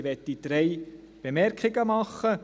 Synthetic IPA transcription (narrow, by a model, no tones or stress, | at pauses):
ʋɛtdid̥ɾej | b̥emɛrkʰɪɡəmɑχːə